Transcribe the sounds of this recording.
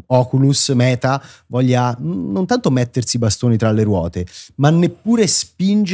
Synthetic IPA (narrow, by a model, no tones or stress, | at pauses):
ɔːkulusmɛːt̪avɔʎːanːont̪ant̪omɛt̪ːersibast̪oːnit̪ɾalːeɾwɔ̰ːt̪emanːepːuːɾespind͡ʒ